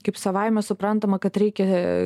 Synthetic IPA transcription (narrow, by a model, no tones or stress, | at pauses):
kɐɪpsɐʋɐɪmʲɛsʊpɾɐnt̪ɐmɐkɐt̪ɾʲɛɪkʲɛ